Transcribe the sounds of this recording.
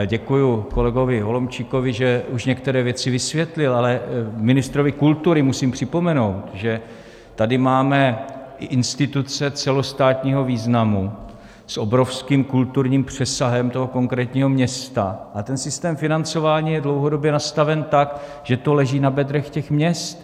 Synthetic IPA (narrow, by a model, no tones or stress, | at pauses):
ɟɛkujuko̞lɛɡo̞vɪɦo̞lo̞mt͡ʃiko̞vɪʒɛuʃɲɛkt̪ɛɾɛːvjɛt͡sɪvɪsvjɛt̪lɪlalɛmɪnɪst̪ɾo̞vɪkult̪uɾɪmusiːmpr̝̥ɪpo̞mɛno̞wt̪ʒɛ | t̪adɪmaːmɛʔɪʔɪnst̪ɪt̪ut͡sɛt͡sɛlo̞st̪aːt̪ɲiːɦo̞viːznamu | sʔo̞bɾo̞fskiːmkult̪uɾɲiːmpr̝̥ɛsaɦɛmt̪o̞ɦo̞ko̞ŋkɾɛːt̪ɲiːɦo̞mɲɛst̪a̰ʔat̪ɛnsɪst̪ɛːmfɪnant͡so̞vaːɲiːjɛdlowɦodo̞bjɛnast̪avɛnt̪ak | ʒ̥ɛt̪o̞lɛʒiːnabɛd̪ɾɛxcɛxmɲɛst̪